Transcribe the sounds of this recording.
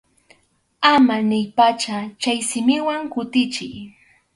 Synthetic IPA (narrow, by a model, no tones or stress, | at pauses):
amanɪjpat͡ʃat͡ʃajsɪmɪwaŋkʊt̪ɪt͡ʃɪj